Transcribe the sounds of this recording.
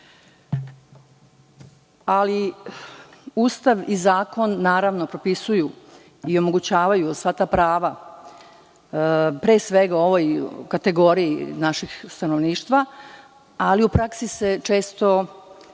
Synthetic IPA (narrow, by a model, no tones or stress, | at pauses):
ali | uːst̪aʋizaːko̞nːaːɾaʋno̞pɾo̞pisuju | io̞mo̞ɡut͡ɕaːʋajusʋat̪aːpɾaːʋa | pɾeːsʋeɡao̞ʋojkat̪e̞ɡo̞ɾijinaʃixst̪ano̞ʋniːʃt̪ʋa | aliupɾaksise̞t͡ʃe̞ːst̪o̞